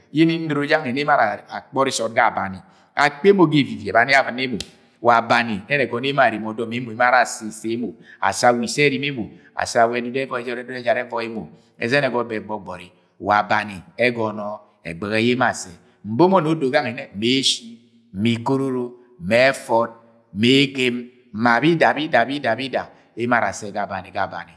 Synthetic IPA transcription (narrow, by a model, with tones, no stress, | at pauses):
je˦ni˦n̩˦dɾo˦d͡ʒa˦ŋɛ˨ne˦ma˦ɾa˨a˨k͡pɔ˦ɾi˦sɔ˨t̚ɡa˦˨ba˨ni˨ | a̰˨k͡pe˦mo˨ɡe˦˨vi˨vɛ˨ba˨˦ni˦a˦va˨ne˦mo˨ | wa˨ba˨ni˨ɛ˦ɾɛ˨ɡɔ˨n˦e˦ma˨ɾi˨m˨ɔ˨˦dɔ˨me˦mo˨i˦ma˦ɾa˨si˨se˦mo˨a̰˨sa˨wi˨sɛ˦ɾi˦me˦mo˨ | a̰˨sa˨wɛ˨du˨dɛ˦vɔ˦ɛ˨˦d͡ʒɔ˦ɾɛ˦do˦ɛ˦d͡ʒa˨ɾɛ˦vɔ˦e˦mo˨ | ɛ̰˨zɛ˦nɛ˨ɡɔ˨˦bɛ˨ɡ͡bɔ˨ɡ͡bɔ˨ɾi˨ | wa˨ba˨ni˨e˦ɡɔ˨nɔ˦ | ḛ˨ɡ͡be˨ɣe˨˦je˦ma˨se˨ | m̩˨bo˦mo˦no˨˦do˨ɡa˦ŋe˨ne˦˨me˨˦ʃi˦ | m̩˨mi˨ko˦ɾu˦ɾo˦˨ | me˨˦fɔ˦d̚ | me˨˦ɡe˦m̩˨ | ma˨bi˦da˨bi˦da˨bi˦da˨bi˦da˨ | e˦je˦ma˦˨ɾa̰˨se˦˨ɡa˨ba˨ni˨ka˨ba̰˨ni˨